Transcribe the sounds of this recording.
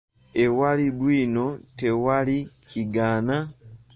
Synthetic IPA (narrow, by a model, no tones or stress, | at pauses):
ewaliβwiːno̞te̞waliciɡaːna